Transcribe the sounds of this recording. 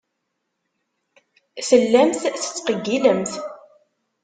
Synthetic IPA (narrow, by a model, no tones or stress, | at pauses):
θəlːæmθθə̥t͡sːqəɡːiləmθ